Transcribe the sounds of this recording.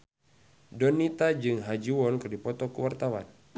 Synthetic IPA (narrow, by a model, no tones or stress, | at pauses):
dɔnit̪ad͡ʒɨŋɦad͡ʒuwɔnkɨrdipɔt̪ɔkuwart̪awa̰n